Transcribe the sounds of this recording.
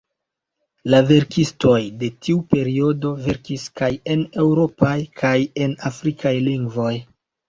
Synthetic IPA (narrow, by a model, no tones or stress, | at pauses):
lave̞ɾkisto̞jde̞tiupe̞ɾio̞do̞ve̞ɾkiskaje̞ne̞wɾo̞pajkʰaje̞nafɾikʰajliŋɡvo̞j